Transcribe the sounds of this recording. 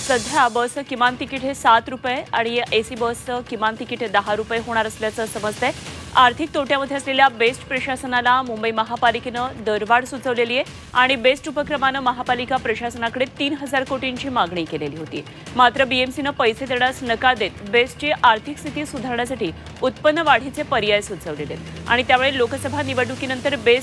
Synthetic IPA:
səd̪ʱjabəsəkimant̪ikiʈɦesat̪ɾupjeaɽ̃iesiːbəsəkimant̪ikiʈd̪əɦaɾupəjeɦoɽ̃aɾəsljat͡səːsəməd͡zt̪eaɾt̪ʰik̚t̪oʈjaməd̪ʱjeəsleljabesʈpɾəɕasənalamumbəiməɦapaliknəd̪əɾʋaɽsut͡səʋleliːje | aɽ̃ibesʈupəkɾəmanəməɦapalikapɾəɕasənakəɽet̪iːnɦəd͡zaɾkoʈiɲt͡ɕiːmaɡɳiːkeleliːɦot̪ḭː | mat̪ɾəbiemsinəpəjset̪əɽasnəkad̪et̪besʈt͡ɕiʔaɾt̪ʰikst̪ʰit̪iːsud̪ʱaɾɳjasaʈiː | ut̪pənːəʋaɽ̤it͡sepəɾjajsut͡səʋlelḛt̪a̰ɽ̃it̪jamuɭelokəsəbʱaniʋəɖukinənt̪əɾbes

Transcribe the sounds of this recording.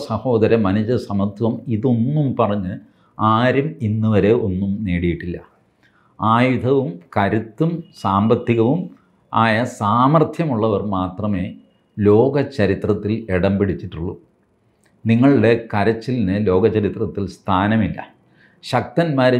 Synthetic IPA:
sɐho̞ːd̪ɐɾɐmɐnɐd͡ʑɐsɐmɐt̪ʰːwɐmiðo̞nːumpɐrɐɲːɨ | aːɾuminːuʋɐɾe̞o̞nːumneːɽijiʈːilːɐ | aːjud̪ʱɐʋumkɐɾut̪ːumsaːmbɐt̪ːiɣɐʋum | aːjɐsaːmɐrt̪ʰjɐmuɭːɐʋɐrmaːt̪rɐme̞ː | lo̞ːɡɐt͡ɕːɐɾit̪rɐt̪ːileɽɐmbiɽit͡ɕːiʈːuɭːṵ | niŋːɐɭiɽe̞kɐɾɐt͡ɕːilinɨlo̞ːɡɐt͡ɕːɐɾit̪rɐt̪ːilst̪ʰaːnɐmilːɐ̰ | ɕɐk̚t̪ɐnmaːɾe

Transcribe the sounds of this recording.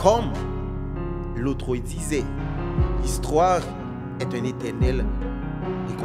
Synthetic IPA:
kʰɔm | lot̪χod̪izɛ | list̪waʁ | ɛt̪ɛ̃net̪ɛʁnɛl | ek

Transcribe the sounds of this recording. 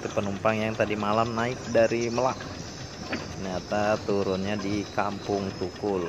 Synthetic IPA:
t̪upənumpaŋjaŋt̪adimalamnaɪk̚daɾiməlaʔ | nat̪at̪uɾʊnɲadikampʊŋt̪ukʊl

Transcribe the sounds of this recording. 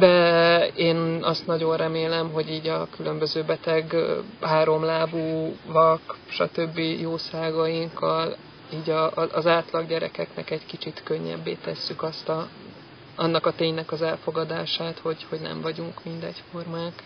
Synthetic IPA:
d̪ɛeːnɒst̪nɒɟo̞nrɛmeːlɛmɦo̞ɟiːɟɒkylø̞mbøzøːbɛt̪ɛɡaːɾo̞mlaːbuːvɒkʃɒ̰t̪øbːijoːsaːɡɒjiŋkːɒl | iːɟɒʔːzaːt̪lɒɡɟɛɾɛ̰kɛknɛ̰kɛɟkit͡ʃit̪kø̞ɲːɛ̰bːḛːt̪ɛsːykɒst̪ɒ | ɒnːɒkɒt̪eːɲnɛkɒzɛlfo̞ɡɒd̪aːʃaːt̪ho̞ɟho̞ɟnɛ̰ɱvɒɟuŋkmind̪ɛɟfo̞rmaːk

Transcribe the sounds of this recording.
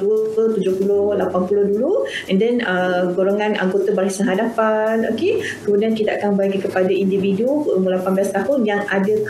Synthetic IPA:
duəət̪ud͡ʒʊhpulʊhlapanpulʊhduluɛndɛnəɡoɾoŋãna̰ŋɡot̪abaɾasanɦadapano̰ke | kəmudiankit̪aʔakanbaɡikəpadaindividuəmulapanblast̪aɦʊnjaŋadək

